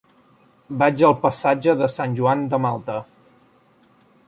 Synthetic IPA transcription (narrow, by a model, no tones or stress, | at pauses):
bad͡ʒəlˠpəsad͡ʒəðəsanʲʒuand̪əmalˠt̪ə